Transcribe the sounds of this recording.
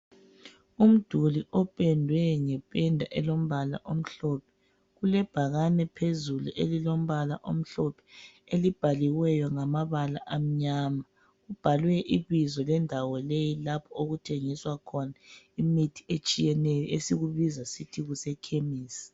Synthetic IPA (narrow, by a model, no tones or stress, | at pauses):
um̩d̥ʱuliʔɔpʼɛndʱwɛŋɛpʼɛndʱaʔɛlom̩βala̰ʔom̩ɬɔpʰɛ̥ | ɣulɛb̥ʱaɣanɛpʰezuluʔelilom̩βala̰ʔo̰m̩ɬɔpʰɛ̥ | elib̥ʱaliwɛjɔŋamaβala̰ʔam̩ɲama | ub̥ʱalwɛʔiβizɔlɛndʱawɔlejilapʰɔoɣutʰeŋiswakʰɔna | imitʰi̥et͡ʃʼijɛnɛjɔesiɣuβizasitʰiɣusɛkʰemiːsi̥